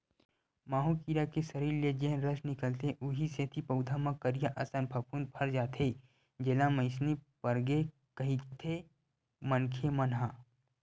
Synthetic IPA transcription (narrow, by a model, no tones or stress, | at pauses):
maːɦũkiɾakesɐɾiːɾed͡ʒeɦnɾəʃnɪkəlt̪eʔʊɦiset̪ʰipɐʊd̪ʱamãkəɾijaʔɐsə̃npʰɐpuːn̚pʰɐɾd͡ʒaːt̪ʰe | d͡ʒelãmə̃ɪsnipəɾɡe | kɐɦit̪ʰe | mənkʰemɐnɦaː